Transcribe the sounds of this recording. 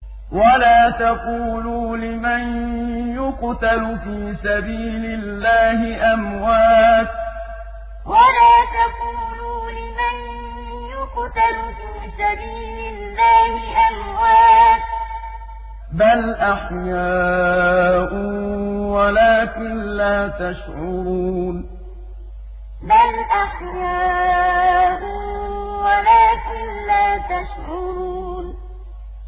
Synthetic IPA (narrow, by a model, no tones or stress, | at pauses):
walaːt̪aquːluːlɪmanjʊqt̪alʊfiːsabiːlɪlːaːhɪʔamwaːt̪̚ | walaːt̪aquːluːlɪman | jʊqt̪alfiːsabiːlɪlːaːhɪʔamwaːt̪̚ | balʔaħjaː | ʔʊwalaːkɪnlaːt̪aʃʕuun | balʔaħjaː | ʔʊwalaːkɪnlaːt̪aʃʕuːn